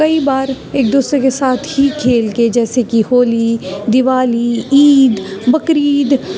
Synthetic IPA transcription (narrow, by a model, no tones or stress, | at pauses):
kɐibaːɾ | eːk̚d̪uːsɾekesaːt̪ʰɦikʰeːlked͡ʒɛːsekihoːlid̪ɪʋaːliiːd̪bɐkɾiːd̪